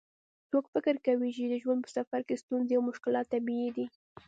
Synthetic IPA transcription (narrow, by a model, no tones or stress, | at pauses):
t͡sokfɪkɪɾkawit͡ʃid̪əʒwand̪̚pə̥safaɾkest̪unzeawmʊʃkɪlɑt̪ːabiid̪i